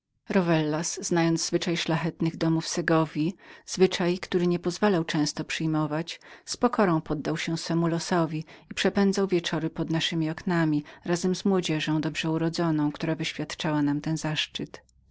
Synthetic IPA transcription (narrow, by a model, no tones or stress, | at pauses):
ɾɔvɛlːasznajɔnd̪zzvɘt͡ʂajʂlaxɛt̪nɘɣd̪ɔmufsɛɡɔvʲjiz̥vɘt͡ʂajkt̪uɾɘɲɛpɔzvalawt͡ʂɛ̃w̃st̪ɔpʂɘjmɔvat͡ɕspɔkʰɔɾɔ̃w̃pɔd̪ːawɕɛsfɛmulɔsɔvʲiipʂɛpɛnd̪zawvʲjɛt͡ʂɔɾɘpɔd̪naʂɘmʲiɔknamʲiɾazɛmzmwɔd͡ʑɛʐɔ̃w̃d̪ɔbʐɛuɾɔd̪zɔnɔ̃w̃kt̪uɾavɘɕfʲjat̪t͡ʂawanamt̪ɛnzaʂt͡ʂɘt̪